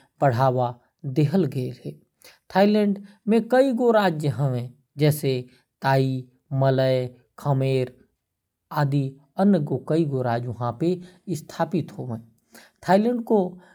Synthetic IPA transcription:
b̥əɽ̤aːʋa | d̪eɦəlɡəeɦeː | t̪ʰaːilɛ̃ɳɖ | mẽkəiɡoɾaːd͡ʒjəɦəẽ | d͡ʒɛːse | t̪aːi | mələj | kʰəmeːɾ | aːd̪i | ənəɡokəiɡoɾaːd͡ʒʋɐɦãpeɪst̪ʰaːpɪt̪ɦoːʋẽ | t̪ʰaːilɛ̃ːɳɖko

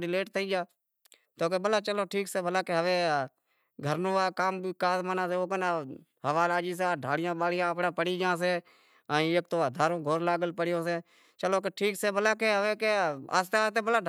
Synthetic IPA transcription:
ɾɪleːʈt̪ʰəiːd͡ʒaː | t̪oːk̬eːbəlaːt͡ʃəloːʈʰiːkseːbʱəlaːkeːɦəʋeː | ɡʱəɾnõːaːkaːmbiːkaːzmaːnaːseːoːkəna | həʋaːlaːd͡ʒiːs̬aːɖʱaːlɪjãːɓaːlɪjãːəpɽãːpəɽiːd͡ʒãːs̬eː | əːĩːeːk̚t̪oːd̪ʱaːɾõːɡʱoːɾlaːɡəlpəɽɪjõːseː | t͡ʃəloːk̬eʈʰiːkseːbʱəlaːkeːɦəʋeːkea̰ːst̪eaːst̪eːbəlaː

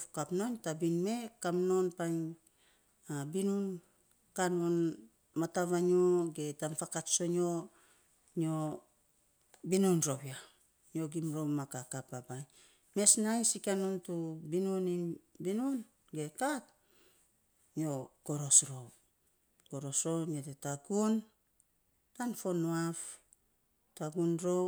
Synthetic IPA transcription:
kapno̞ntabinme̞kamno̞npajn | abinun | kanon | mataβaɲoɡe̞tamfakatso̞no̞ | ɲo | binunɾo̞bia | ɲo̞ɡimɾo̞wmakakapabaj | me̞snajsikanontubinnibinuon | ɡe̞kat̚ | ɲio̞ko̞ɾo̞sɾo̞w | ko̞ɾo̞sɾo̞notetaɡun | tanfo̞nːuaf | taɡunɾo̞w

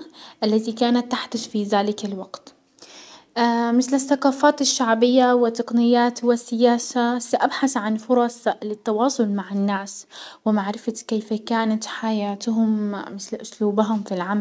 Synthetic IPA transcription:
ʔalːat̪ikaːnat̪ːaħd̪aʃfiðaːlɪkalwaɡt̪ | mɪθlɪθːɑqɑːfaːt̪ɪʃːaʕbɪjːawɪt̪ːɑqnɪjːaːt̪wɪsːɪjaːsasaʔabħaθʕanfʊɾˤɑsˤlɪt̪ːɑwɑːsˤʊlmaʕɪnːaːswɪmaʕɾɪfat̪keːfakaːnat̪ħajaːt̪ʊɦʊmmɪθlʔʊsluːbɦʊmfilʕamal

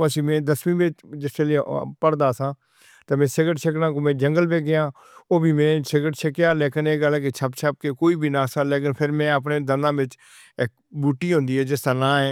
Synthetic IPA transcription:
əsiːmɛ̃ːd̪əsmĩːʋɪt͡ʃd͡ʒɪseːlepəɽd̪aːsãː | t̪emɛ̃ːsɪɡəʈt͡ʃʰɪknãːkõːmẽːd͡ʒəŋɡəlbeːɡɪjãː | oːbʱiːmɛ̃ːt͡ʃʰɪɡəʈt͡ʃʰɪkjaːleːkɪneːɡəlːkeːt͡ʃʰəpt͡ʃʰəp̚keːkoːiːbʱiːnaːsãːleːkɪnpʰɪɾmɛ̃ːəp̬neːd̪ənãːʋɪt͡ʃ | ɪk̚ | buːʈːiːɦʊ̃ːnd̪iːɦɛːd͡ʒɪst̪aːnãːɛ̃ː

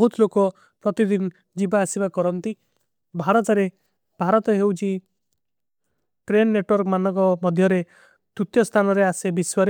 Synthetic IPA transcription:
ɔɦut̪lokɔ | pɾɔt̪id̪in | d͡ʒibaːsibakɔɾɔnt̪i | bʱaɾɔt̪ɔɾe | bʱaɾɔt̪ɔɦewt͡ʃʰi | ʈɾenːeʈwɔɾkmanɔŋkɔmɔd̪ʱjɔɾe | t̪ut̪jɔst̪ʰanɔɾeasebiswɔɾe

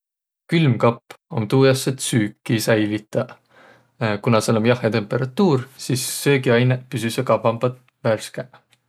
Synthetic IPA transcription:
kylmkɑpːˑo̞̰nt̪uːjɑset̪syːkˑːisæjlit̪ːˑɑ | kunɑselomjɑhet̪e̞mpˑeɾɑt̪ːˑuːɾsiːsːøːkiɑjnepysysekɑpɑmb̥ɑt̪ | værskæʔ

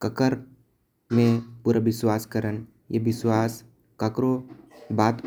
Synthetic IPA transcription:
kəkəɾ | mẽpuɾaʋɪswaːskəɾən | jeʋɪswaːs | kəkɾobaːt̪

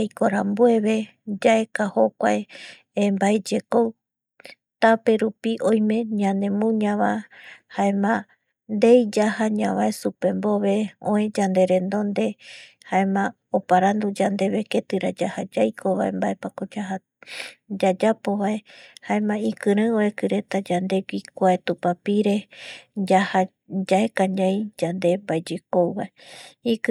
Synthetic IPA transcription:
jkoɾambue̞βe̞ | d͡ʒae̞kaho̞kʷae | embaed͡ʒe̞kow | t̪ape̞ɾupiʔõjmẽ̞ɲãnd̪ẽ̞mũɲãβahaemã | nd̪ejd͡ʒahaɲãβaesupe̞mbo̞βe̞õẽd͡ʒand̪e̞ɾẽ̞nd̪o̞nd̪e̞ | haemã | opaɾãnd̪ud͡ʒand̪e̞βe̞ke̞t̪ɨɾad͡ʒahad͡ʒajkʰo̞βae̞̰mbaepakod͡ʒaɦa | d͡ʒad͡ʒapo̞βae̞haẽmãikɨɾɨ̃oekɨɾe̞t̪ad͡ʒand̪e̞ɡikʷaet̪upapiɾe̞d͡ʒaha | d͡ʒaekãɲãjd͡ʒand̪e̞mbaed͡ʒekowβaeik

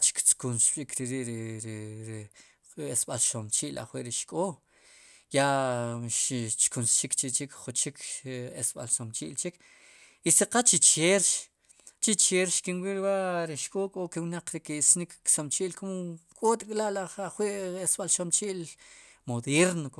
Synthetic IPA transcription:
t͡ʃi̥kt͡skunsɓikɾiɾiʔɾɾɾ | esɓalʃomt͡ʃiʔla̰χwiʔɾiʃkʼo | jaʃt͡ʃkunsʃikt͡ʃit͡ʃikχut͡ʃikesɓa̰lsomt͡ʃiʔlt͡ʃik | isiqat͡ʃit͡ʃeɾʃ | t͡ʃit͡ʃeɾʃkinwiɾwaʔɾiʃkʼoːkʼokewnaq͡χɾikisnikːsomt͡ʃiːʔlkomokʼoːt̪kʼlaʔlaχaχwiʔesɓalʃomt͡ʃiːʔlmoðeɾnok

